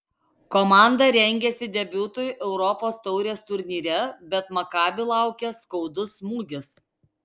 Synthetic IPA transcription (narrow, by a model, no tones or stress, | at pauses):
komɑˑnd̪ɐɾʲɛŋʲɡʲɛsʲɪd̪ʲɛbʲʊːt̪oːjʊʔɛʊɾɔpoːst̪ɔʊɾʲeːst̪ʊɾʲnʲiːɾʲɛbʲɛt̪mɐkɑːbʲɪlˠɑˑʊkʲɛskɒʊd̪ʊsmuːɡʲɪs